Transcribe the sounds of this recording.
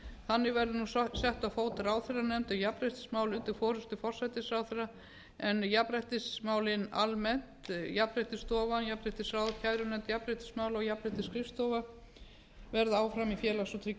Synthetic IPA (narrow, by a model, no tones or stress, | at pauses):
θanːɪɣvɛɾðɪnussɛht̪afoːwt̪ɪɾaːwθɛranɛmt̪ajapɾɛht̪ɪ̥smaːwlʏnt̪ɪfɔːɾʏst̪ʏfɔr̥sajt̪ɪsaːwθɛrːa | ɛnjapɾɛjht̪ɪsmaːwlɪnalmɛn̥t̪japɾɛht̪ɪst̪ɔːvanjapɾɛjht̪ɪsaːwðcʰajɾʏnɛmt̪japɾɛjht̪ɪ̥smaːwlɔjapɾɛjht̪ɪskɾɪfst̪oːva | vɛɾðʏaːwfɾamifjɛːlasɔt̪ʰɾɪ